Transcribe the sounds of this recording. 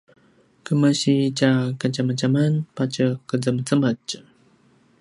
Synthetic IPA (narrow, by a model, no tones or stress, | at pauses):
kəməɕit͡ʃakat͡ʃamət͡ʃamənpat͡ʃəkəd͡zəmət͡səmət͡ʃ